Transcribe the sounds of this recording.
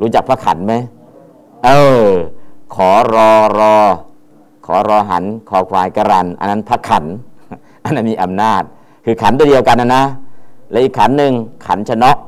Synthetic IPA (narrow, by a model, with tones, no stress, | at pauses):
ɾuː˦˥t͡ɕa˨˩k̚pʰa˦˥kʰːa̰˩˦nma˦˥j | ʔɤː˧˩ | kʰɔː˩˦ɾɔː˧ɾɔː˧ | kʰɔː˩˦ɾɔː˧ɦa̰˩˦nkʰɔː˨˧kʰwaː˧jka˧ɾa˧nʔa̰˧nːa˦˥npʰa˦˥˩kʰːa̰˩˦n | ʔa˧nːa˦˥nmiː˧˩ʔa˧mnaː˥˩t̪̚ | kʰɯː˧kʰa˩˦nt̪u˧di˧əwka˧nːa˧na˦˥lɛ˦˥ʔi˨˩kʰːa˩˦nːɯ˧ŋkʰa̰˩˦nt͡ɕʰa˧nɔ˦˥ʔ